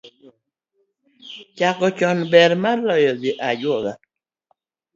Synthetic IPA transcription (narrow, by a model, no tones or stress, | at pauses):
t͡ʃakɔt͡ʃɔnbɛɾmalɔjɔɡɪʔad͡ʒwɔɡa